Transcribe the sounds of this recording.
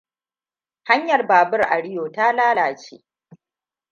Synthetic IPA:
ha˦ɲjɐ˨rbaː˨bʊ˦rʔa̰˨ɽɪ˦joː˨taː˦laː˦laː˨t͡ʃḛː˦

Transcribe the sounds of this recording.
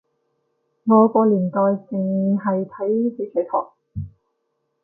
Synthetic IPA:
ŋɔː˨˧kɔː˧liː˨˩nt̪ɔː˨jt͡sɪ˨ŋ˧ɦɐ˨jt̪ʰɐ˨˥jte˨˥sʰɛ˨˧˥t̪ʰɔ̰ː˨˩k̚

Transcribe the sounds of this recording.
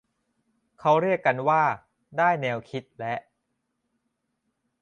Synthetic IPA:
kʰa˦˥wɾi˥˩əkːa˧nwaː˥˩ | daː˥˩jnɛː˧wkʰi˦˥t̪̚lɛ˦˥ʔ

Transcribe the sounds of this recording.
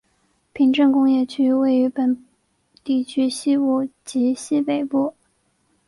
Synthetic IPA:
pʰi˧˥ŋʈ͡ʂɤ˥˧ŋkʊ˥ŋjɛ˥˩t͡ɕʰy˥we˥˩ɪy˧˥pə˨˩n | t̪i˥˩t͡ɕʰy˥ɕi˥pu˥˩t͡ɕi˧˥ɕi˥pe˨˩ɪpu˥˩

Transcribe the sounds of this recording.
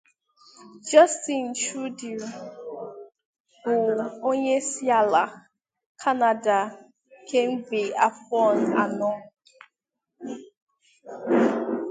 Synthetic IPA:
d͡ʒɔ˦sti˨n̩˨t͡ʃu˦di˨u˨ | ʊ˨lo˦ɲe˦si˦a˦˨la˨ | kʰa˦na˨da˨ | kʰe˦m̩˦bi˨a˨fɔ˦˨na̰˨nɔ˦

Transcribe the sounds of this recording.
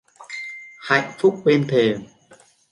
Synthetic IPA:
ha̰˧˨jŋ̟fʊ˦˥k͡p̚ɓe˧nt̪ʰe˨˩m

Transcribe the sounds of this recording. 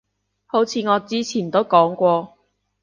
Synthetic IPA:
ho˨˥wt͡sʰiː˨˧ŋɔː˨˧t͡siː˥t͡sʰiː˨˩nt̪o˥wkɔː˨˥ŋkʷɔː˧

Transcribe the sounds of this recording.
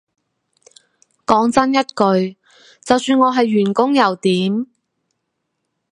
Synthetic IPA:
kɔː˨˥ŋt͡sɐ˥njɐ˥t̚kɵ˧ɥ | t͡sɐ˨wsyː˧nŋɔː˨˧ɦɐ˨jːyː˨˩nkʊ˥ŋjɐ˨˩wt̪iː˨˥m

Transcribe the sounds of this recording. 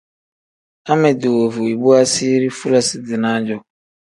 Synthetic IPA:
a˦mɛ˨do˨o˨vu˨i˨bu˦a˦si˦ɾi˦fu˦la˨sɪ˨dɪ˨nãː˦d͡ʒɔ˨

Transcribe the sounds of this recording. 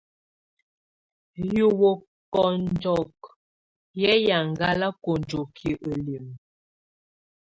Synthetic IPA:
ju˨wo˨ | kɔ˨n˦d͡ʒɔ˨k̚ | jɛ˦ja˨ŋ˨ɡa˦la˦ko˨nd͡ʒo˨kʰi˨ʔə˨li˨m

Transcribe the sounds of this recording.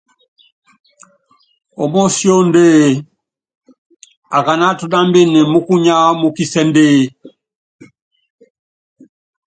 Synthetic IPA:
ɔ˨mɔ˦sjɔ˦ndeː˦ | a˨ka˨na˦tu˨ɗa˦mbe˦ne˨mu˦ku˦ɲa˦mu˦ki˦sɛ˦nde˦

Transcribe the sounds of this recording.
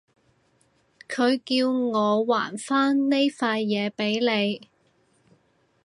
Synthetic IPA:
kʰɵ˨˧ɥkiː˧wŋɔː˨˧wa̰ː˨˩nfaː˥nne˥jfaː˧jːɛː˨˧pe˨˥jle˨˧j

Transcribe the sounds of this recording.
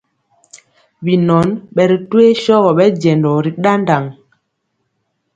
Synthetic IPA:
bi˨nɔ˨˦nɓɛ˨ɾi˨twe˦ʃɔ˦ɣɔ˨ɓɛ˦d͡ʒɛ˨ndɔ˨ɾi˨ɗa˦nda˨ŋ

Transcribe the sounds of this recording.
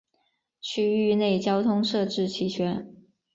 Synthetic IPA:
t͡ɕʰy˥y˥˧ne˥˩ɪt͡ɕjɑ˥ʊt̪ʰʊ˥ŋʂɤ˥˧ʈ͡ʂɻ̩˥˩t͡ɕʰi˧˥ɕʰɥɛ˧˥n

